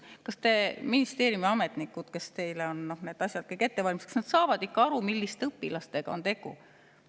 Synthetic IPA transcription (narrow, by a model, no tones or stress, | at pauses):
kɑst̪e̞minist̪e̞ːɾjumiɑme̞t̪ˑnikːˑud̪̥ke̞st̪e̞jleo̞nːo̞hne̞ːd̪̥ɑsʲjɑd̪̥̚kɤjkːet̪ːe̞vɑlʲmist̪kɑ̥sned̪sɑːvɑd̪ikːɑɑɾumilʲːist̪ɤpːˑilɑst̪e̞ɡ̥ɑ̰o̞̰nt̪e̞ɡ̥ṵ